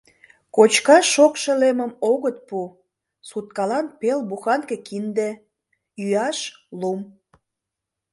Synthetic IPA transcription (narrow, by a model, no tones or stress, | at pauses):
kot͡ɕkɑʃokʃĕleməmoɣət̪̚pu | sut̪̚kɑlɑnpelbuxɑnkekind̪ĕ | yɑʃlum